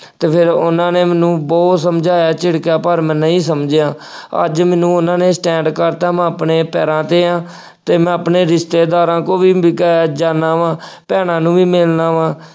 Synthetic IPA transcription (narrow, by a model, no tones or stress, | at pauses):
t̪eːpʰɪɾʊnãːneːmɛːnũːbɔːt̪səmd͡ʒaːjaːt͡ʃɪɽkjaːpəɾmɛ̃ːnəĩːsəmd͡ʒɪjãː | ə̰d͡ʒmɛ̃ːnũːʊnãːneːsʈɛ̃ːɳɖkəɾt̪aːmɛ̃ːəpɳeːpɛːɾãːt̪eːãː | t̪eːmɛ̃ːəpneːɾɪst̪eːd̪aːɾãːkõːʋiːkɛd͡ʒaːnaːʋãːpɛːɽ̃ãːnũːʋiːmɪlnãːʋãː